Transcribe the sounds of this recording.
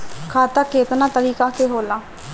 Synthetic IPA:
kʰaːt̪aːkeːt̪nãːt̪əɾiːkaːkeːɦoːlaː

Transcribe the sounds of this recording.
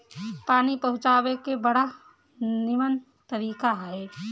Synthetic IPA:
paːnipɐɦʊt͡ʃaːwekebəɽa | nɪmən | t̪əɾiːkaɦɛː

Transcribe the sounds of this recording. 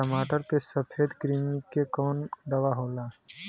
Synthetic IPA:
əmaːʈəɾkesəpʰeːd̪kɾiːmikkːekɔːnd̪ɐʋaɦoːlaː

